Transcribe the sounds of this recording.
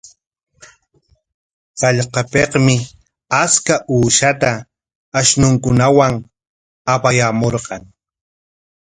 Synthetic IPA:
ɢɑʎqɑpeqmɪ | askaʔuːʃat̪aː | ʃnʊŋkʊnawaŋ | apajamoɾqɑŋ

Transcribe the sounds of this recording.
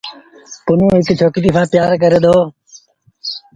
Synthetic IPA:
pʊnõːɦɪkt͡ʃʰoːkt̪iːpʰãːpjaːɾkəɾeːd̪oː

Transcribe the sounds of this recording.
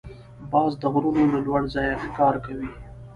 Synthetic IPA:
bɑːzd̪əɣɾunoləlwaɽzɑjaxkɑːɾkawi

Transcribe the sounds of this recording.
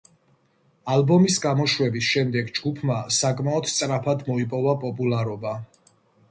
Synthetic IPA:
albɔmisɡamɔʃwɛbisʃɛmd̪ɛɡd͡ʒɡupʰmasakʼmaɔd̪t̪sʼɾapʰad̪mɔipʼɔvapʼɔpʼulaɾɔba

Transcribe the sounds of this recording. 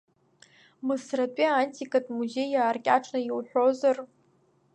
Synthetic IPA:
mɨsratʼiaantʰʼikʼatʼmuze̞jaːrkʲʼaʈ͡ʂʰnajwħᶣʷozar

